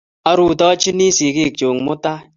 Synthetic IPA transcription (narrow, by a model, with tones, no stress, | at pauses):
a˨ɾu˨tɔ˦t͡ʃi˦ni˦si˨ki˦˨kt͡ʃo˨ŋmʊ˦ta˦